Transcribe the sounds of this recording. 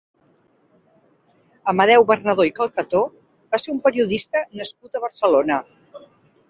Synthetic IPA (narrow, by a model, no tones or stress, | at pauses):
əməðɛwβərnəðoikəlˠkət̪o | baseɾumpəɾiuðist̪ənəskut̪əβ̞ərsəlonə